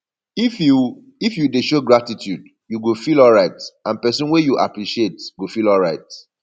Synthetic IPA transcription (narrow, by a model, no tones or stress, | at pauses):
ifju | ifjudeʃoɡɹatitʰjud | juɡofilɔlɹaɪtãnpɛsɔ̃nwejuʔa̰pɹiʃietɡofilɔlɹaɪt